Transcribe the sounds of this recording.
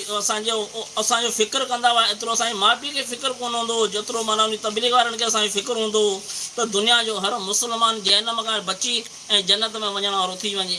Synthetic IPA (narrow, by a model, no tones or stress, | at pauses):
ɐsãd͡ʑoɐsãɲd͡ʑofʰɪkəɾkɐ̃nd̪aʋaːɦɪt̪ɪɾoɐsãːd͡ʑemaːbikʰefɪkəɾkoːnɦũnd̪od͡ʑet̪ɪɾomaːnãɦʊ̃nit̪ɐbiːliɣʋaːɾənɪ̆kʰeɐsãɲd͡ʑofɪkɪɾɦũːnd̪ot̪ɐd̪ʊnijad͡ʑoːɦɐɾmʊsəlmaːnd͡ʑɐɦnəmkʰãbɐt͡ɕi | ɛ̃ːd͡ʑɐnːət̪mẽʋɐɲəɽ̃ːɾot̪ʰiʋɐ̃ɲd͡ʑeː